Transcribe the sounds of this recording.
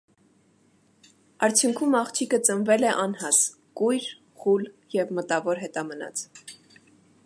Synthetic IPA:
ɑɾt͡sʰjuŋkʰumɑχt͡ʃʰikət͡sənvɛlɛʔɑnhɑs | kujɾ | χuljɛvmət̪ɑvɔɾɦɛt̪ɑmənɑ̰t͡sʰ

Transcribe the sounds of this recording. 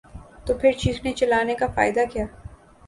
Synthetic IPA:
t̪opʰɪɾt͡ʃiːznet͡ʃɐlaːnekafa̰ːɪd̪akijaː

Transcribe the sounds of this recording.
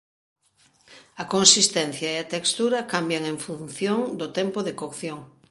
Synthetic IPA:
ɐkonsist̪ɛnθjaeat̪ekst̪uɾɐkambjaŋẽɱfunθjoŋd̪ʊt̪ɛmpoðekokθjoŋ

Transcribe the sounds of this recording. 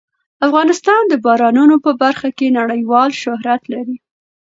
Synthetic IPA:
afɣɑnɪst̪ɑnd̪əbɑɾɑnunopəbaɾxakenaɽəjwɑlʃʊɦɾat̪laɾi

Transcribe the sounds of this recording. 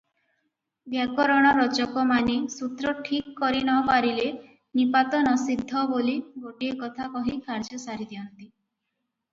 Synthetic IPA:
bjakɔɾɔɽ̃ɔɾɔt͡ʃɔkɔmanesut̪ɾɔʈʰikːɔɾinɔpaɾile | nipat̪ɔnɔsid̪ʱːɔboliɡoʈiekɔt̪ʰakɔɦikʰaɾd͡ʒɔsaɾid̪iɔnt̪i

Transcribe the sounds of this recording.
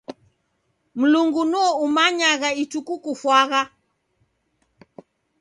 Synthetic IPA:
m̩luŋɡunɔumaɲaɣait͡ʃukukufwaɣa

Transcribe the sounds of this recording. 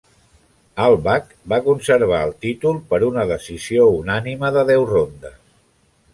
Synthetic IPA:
alˠβak | bakunsəɾβ̞aəlˠt̪it̪ulˠpəɾunəðəsiziounaniməðəðɛwrond̪əs

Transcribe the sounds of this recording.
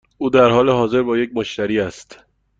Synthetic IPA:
uːd̪æɾhɒːleɦɒːze̞ɾbɒːjec̚moʃt̪æɾiːæst̪

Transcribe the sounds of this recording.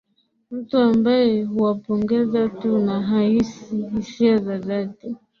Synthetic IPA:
m̩tuambajɛhuwapɔŋɡɛzatunaɦahisihisiazaðati

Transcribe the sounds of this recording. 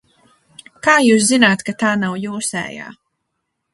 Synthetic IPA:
kaːjuːs̬zinaːt̪kat̪aːnawjuːsɛ̰ːja̰ː

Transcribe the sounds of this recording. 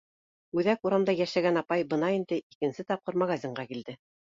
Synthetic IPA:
ʉðækuɾɑmd̪ɑjæʃæɡænɑpɑjbɤ̆nɑind̪ɘʔikɘ̆nsɘt̪ɑp̚qɤɾmɑɣazʲiɴɢɑkild̪ɘ

